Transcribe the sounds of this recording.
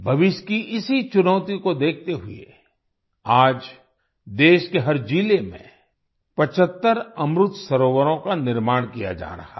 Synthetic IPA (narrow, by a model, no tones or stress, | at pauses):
bʱɐʋɪʃkiʔɪsit͡ʃʊnəːt̪ikod̪eːk̚ʰt̪eɦʊḛ | aːd͡ʒ | d̪eːʃkeɦɐɾd͡ʒiːlemḛ̃ | pɐt͡ʃʰət̪ːəɾɐmɾʊt̪sɐɾoːʋəɾõkanɪɾmaːɽ̃kija̰d͡ʒa̰ːɾɐ̰ha̰